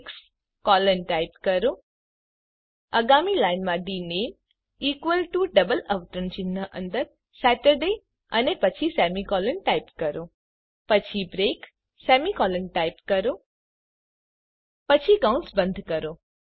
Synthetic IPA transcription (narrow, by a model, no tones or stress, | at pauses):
ks | kɔlənʈajpkəɾo | əɡamilajnmãɖinem | ikʋəlʈuɖəbələʋt̪ɾəɳt͡ʃinːəʔənd̪əɾ | sæʈəɾɖe | ə̰nepət͡ʃʰisɛmikɔlənʈajpkəɾo | pət͡ʃʰibɾek | sɛmikɔlənʈajpkəɾo | pət͡ʃʰiɡaũnsbənd̪ʱkəɾo